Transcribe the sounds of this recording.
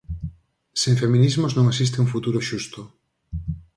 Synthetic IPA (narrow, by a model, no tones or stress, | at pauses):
sẽŋfemĩnizmoznõŋesist̪eũŋfut̪uɾoʃust̪o